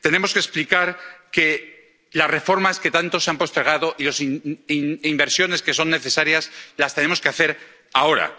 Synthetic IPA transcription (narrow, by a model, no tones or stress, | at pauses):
t̪e̞ne̞mo̞ske̞splikaɾke̞ | lasre̞fo̞ɾmaske̞t̪ant̪o̞seampo̞st̪eɾɣ̞aðo̞ʔilosinimbe̞ɾsjo̞ne̞ske̞so̞nːe̞θe̞saɾjaslast̪e̞ne̞mokeaθe̞ɾ | ao̞ɾa̰